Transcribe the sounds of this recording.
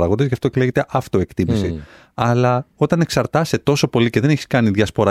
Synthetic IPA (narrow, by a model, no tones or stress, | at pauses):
ɐɣo̞nd̪ezʝɐft̪ocleʝet̪e̞ʔɐft̪oe̞kt̪imisi | ɐlɐo̞t̪ɐne̞ksɐɾt̪ɐset̪o̞so̞po̞lice̞ðe̞neçi̥skɐniðʝɐspo̞ɾɐ